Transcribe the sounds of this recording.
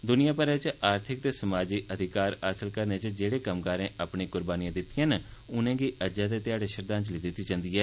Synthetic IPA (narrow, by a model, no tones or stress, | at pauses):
d̪ʊnɪjãːpəɾɛ̃ːt͡ʃaːɾt̪ʰɪk̚t̪eːsəmaːd͡ʒiːʔəd̪ʱɪkaːɾaːsəlkəɾneːt͡ʃd͡ʒeːɽeːkəmkaːɾẽːʔaːpɳeːkʊɾbaːnɪjãːd̪ɪt̪ːɪjãːnʊnẽːɡiːʔəd͡ʒãːt̪eːt̪ɪjaːɽeːʃəɾd̪aːnt͡ʃliːd̪ɪt̪ːiːt͡ʃãːnd̪iːɛː